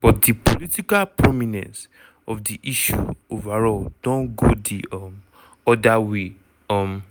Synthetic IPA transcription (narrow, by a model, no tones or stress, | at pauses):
b̥ɔt̚dipolitikalpɹɔminɛ̰̃nt | ɔfdiʔiʃṵovaɹɔld̥ɔ̃nɡodim | ɔdawe | ɔm